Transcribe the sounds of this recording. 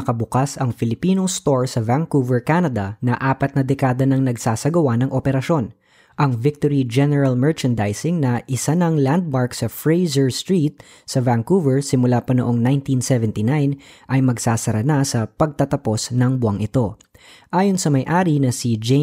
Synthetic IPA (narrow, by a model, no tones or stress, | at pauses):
ɐkɐbʊkasɐŋfɪlɪpiːnost̪oɹsɐvaŋkuvɛɹkanɐd̪ɐnɐʔaːpɐt̪̚nɐd̪ɛkaːd̪ɐnɐŋnɐɡsaːsɐɡɐwanɐŋʔopɛɾɐʃo̞n | ʔɐŋvɪk̚t̪oɹid͡ʒɛnɛɹɐlmɛɹt͡ʃɐnd̪ajsɪŋnɐʔɪsanɐŋland̪̚maɹksɐfɹejzɛɹst̪ɹiːt̪̚ | sɐvaŋkuvɛɹsɪmʊlapɐnoʔoŋnajnt̪insɛvɛnt̪inajnʔɐjmɐɡsaːsɐɾɐnasɐpɐɡ̚t̪ɐt̪ɐpo̞snɐŋbʊɐŋʔɪt̪o̞ | ʔaːjonsɐmɐjʔaːɾinɐsid͡ʒe